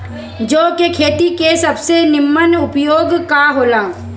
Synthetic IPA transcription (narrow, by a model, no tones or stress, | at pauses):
d͡ʒoːkekʰeːt̪ikesɐbsenɪmːənʊpjoːɡkaɦoːlãː